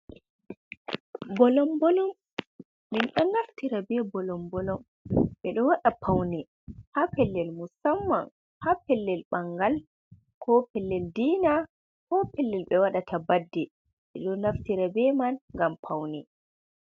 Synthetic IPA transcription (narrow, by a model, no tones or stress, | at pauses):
bɔlɔmbɔlɔmː | inɗɔnːaftiɾabɛbɔlɔmbɔlɔm | ɓɛɗɔwaɗapʰawnɛ | hapɛlːɛlmusamːa̰n | hapɛlːɛlɓaŋɡal | kʰɔpɛlːɛldiːna | kɔpɛlːɛlɓɛwaɗatʰabadːɛ | ɓɛɗɔnaftiɾabɛmanŋɡampʰawnɛ